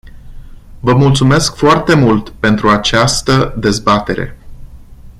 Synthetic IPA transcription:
vəmult̪sume̞skfoart̪e̞mult̪pe̞nt̪ɾuat͡ʃast̪əd̪e̞zbat̪e̞ɾe̞̰

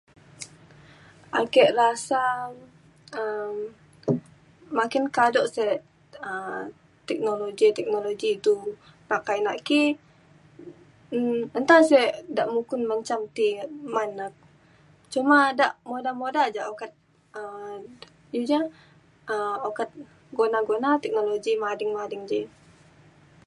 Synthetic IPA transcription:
akɛʔrasa | əm | makɪnkadɔʔsɛ | ə | t̪ɛk̚noloɡit̪ɛk̚noloɡiːt̪u | pakajnaʔki | ənt̪asɛdaʔmukʊnmaɲt͡ʃamt̪imanak̚ | t͡ʃumadaʔmodamodad͡ʒaʔokat̪̚ | ə | jud͡ʒa | əokat̪̚ | ɡonaɡonat̪ɛk̚noloɡimadɪŋmadɪŋd͡ʒɛ

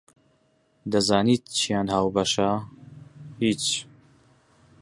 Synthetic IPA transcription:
d̪ɐzaːniːt̪̚t͡ʃʰijaːnhaːwbɐʃa | hiːt͡ʃ

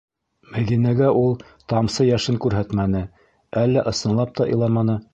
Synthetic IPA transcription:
mæðinæɡæʔulˠ | t̪ɑmsɤjæʃɘŋkʉɾɦæt̪mænɘ | ælːæʔɤ̆sɤ̆nlˠɑp̚t̪ɑʔɤ̆jlˠɑmɑnɤ

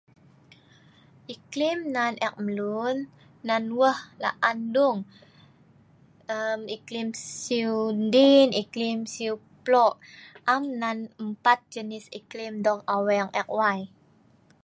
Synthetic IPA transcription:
ʔiklimnanʔɛk̚məlunːanwəhla̰ʔanduŋ | əmiklimsiundiniklimsiuplɔʔamnanəmpat̪̚d͡ʒənisiklimdɔkawɛŋɛk̚waj

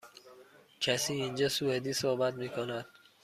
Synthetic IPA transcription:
cʰæsiːind͡ʒɒːsued̪iːsohbæt̪miːkʰonæd̪̥

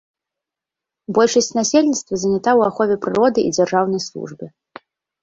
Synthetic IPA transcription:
bɔlʲʂɐsʲt͡sʲnasʲelʲnʲit̪st̪vɐzɐnʲat̪awaxɔvʲɛpɾɨɾɔd̪ɨʔḭd͡zʲarʐawn̪ɐjslˠṵʐbɨ

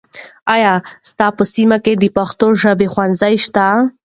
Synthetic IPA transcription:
ajɑst̪ɑpəsimaked̪əpaxt̪oʒəbexwanzajʃt̪a

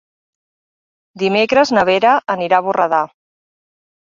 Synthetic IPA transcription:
d̪imekɾəznəβ̞eɾəʔəniɾaβurəða

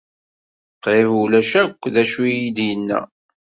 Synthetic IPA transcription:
qɪvulæʃækʷːðæʃujid̪jənːæ̰

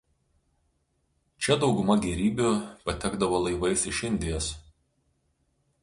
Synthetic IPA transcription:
t͡ʃʲɛd̪ɒʊɡʊmɐɡʲɛɾʲiːbʲʊpɐt̪ʲɛɡd̪ɐʋoːlˠɐɪʋɐɪsɪʃɪnʲd̪ʲɪjos

